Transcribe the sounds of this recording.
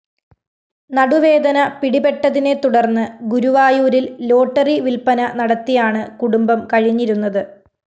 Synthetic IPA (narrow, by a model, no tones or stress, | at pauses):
nɐɽuʋe̞ːd̪ɐnɐpiɽibe̞ʈːɐðine̞t̪uɽɐrnːɨɡuɾuʋaːjuːɾillo̞ːʈːɐriʋilpɐnɐnɐɽɐt̪ːijaːɳɨkuɽumbɐmkɐɻiɲːiɾunːɐðɨ